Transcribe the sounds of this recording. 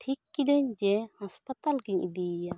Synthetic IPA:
ʈʰikːid̪ɛɲd͡ʒɛhaspət̪alɡiɲʔid̪ija

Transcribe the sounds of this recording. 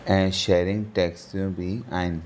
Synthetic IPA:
ɛ̃ʃeɾĩŋɡʈeksʈubiãɪ̃n

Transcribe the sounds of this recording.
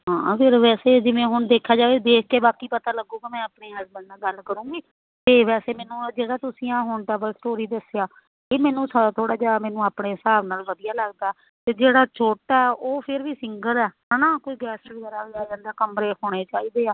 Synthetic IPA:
ɦãːpʰɪɾʋɛːseːd͡ʒɪʋẽːɦʊɳd̪eːkʰːjaːd͡ʒaːʋeːd̪eːkʰkeːbaːkiːpət̪aːləɡũːkimɛ̃ːəpnẽːɛːsbɛːnnaːɡəlkəɾũːɡiː | t̪eːʋɛːseːmɛːnũːd͡ʒeːɽaːt̪ʊsĩːãːɦʊɳʈɛːbəlsʈoːɾiːd̪əsejaː | eːmɛ̃ːnũːsad̪aːt̪ʰoːɽaːd͡ʒaːmɛːnũːaːpɳeːsaːʋnaːlʋəd̪ijaːləɡd̪aː | t̪eːd͡ʒeːɽaːt͡ʃoːʈɛːʔoːpʰɪɾʋiːsɪŋɡəlɛːɦənãːkoiːɡɛːsiəɾaːaːd͡ʒə̃nd̪eːkəmɾeːhoːɽ̃eːt͡ʃaːiːd̪eːaː

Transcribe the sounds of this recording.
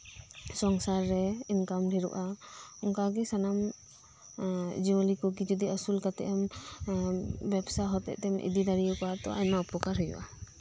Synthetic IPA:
sɔŋsaɾːɛinkamdʱiɾṵʔaɔŋkaɡisanam | d͡ʒiwalikɔkid͡ʒɔd̪iəsulkat̪ɛ̰ʔam | bɛbsaɦɔt̪ɛ̰ʔt̪ɛmʔḭd̪id̪aɾijukat̪ɔ̰a̰jmaupɔkaɾɦɔjṵʔa

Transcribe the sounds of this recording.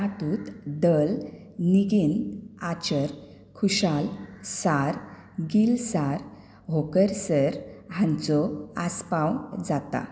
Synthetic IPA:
at̪ut̪d̪əl | niɡinat͡ɕəɾ | kʰuɕalsaɾ | ɡilsaɾ | ɦokəɾsəɾɦãnt͡sɔaspãwd͡zat̪a̰

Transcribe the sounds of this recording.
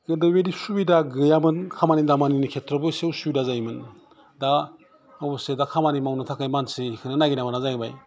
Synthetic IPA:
ɡɯndɯweɾisubidaɡɯjamɯnkʰamanidamaninikʰetɾɔbɯsewsubidazajmɯn | da | bɔsedakʰamanimawnɯtʰakajmansekʰɯnɯnaɡinamanazajɡɯba̰j

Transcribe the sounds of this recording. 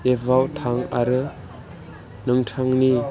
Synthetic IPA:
ebʱawt̪ʰaŋa̰ɾɯ | nɯŋtʰaŋni

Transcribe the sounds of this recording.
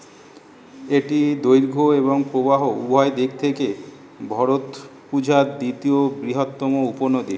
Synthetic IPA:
eʈid̪ojɾɡʱoeβoŋpɾobaɦoubʱɔed̪ek̚t̪ʰeke | bʱɔɾot̪pud͡ʑʱaɾd̪it̪iobɾiɦot̪ːɔmouponod̪i

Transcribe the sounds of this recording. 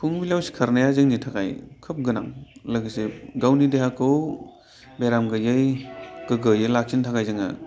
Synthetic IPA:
pʰuŋbiljawsi̥kʰaɾnajazɯŋnitʰakajkʰɯp̚ɡɯna̰ŋlaɡiseɡawnideɦakʰɯw | beɾamɡɯjɯjɡ̥ɯɡɯjɯjlak̚sintʰakajzɯŋa̰

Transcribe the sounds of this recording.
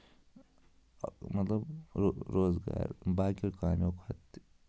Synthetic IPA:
mɐt̪lɐboɾoːzɡa̰ːɾbaːkoɾkaːmokhɐt̪

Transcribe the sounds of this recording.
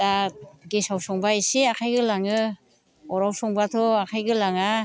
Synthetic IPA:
taɡesawsɔŋbaisiakʰajɡɯlaŋɯ | ɔɾawsɔŋbatʰɔakʰajɡɯlaŋa

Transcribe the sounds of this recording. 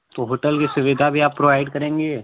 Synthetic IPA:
t̪oɦoːʈəlkisʊʋɪd̪ʱabʱiaːpːɾoʋaːɪɖkɐɾẽːŋɡe

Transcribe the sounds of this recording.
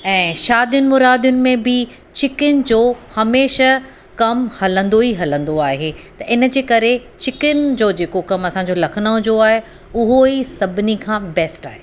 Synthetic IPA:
ɛ̃ːʃaːd̪ijʊnɪ̆mʊɾaːd̪jʊnɪ̆mẽbɪ | t͡ɕɪkɪnd͡ʑoːhɐmeːʃə | kɐmhɐlə̃nd̪oɦiɦɐlə̃nd̪oaːɦeːt̪ɐʔɪnə̆d͡ʑeːkɐɾet͡ɕɪkɪnd͡ʑoːd͡ʑeːkokɐmɐsãɲd͡ʑoːlɐkʰɪnəʊ̃d͡ʑoaːɦe | ʊɦoisɐbʱɪnikʰãːbɛːsʈaːɦeː

